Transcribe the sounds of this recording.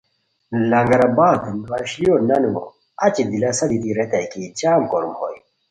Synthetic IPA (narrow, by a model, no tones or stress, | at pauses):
lɐŋɡɐɾɐbaːt̪enwɐɕlionɐnuo̰ | ɐt͡ɕid̪ilɐsɐd̪it̪iɾet̪ɐkit͡ɕaːmkoɾumho̰j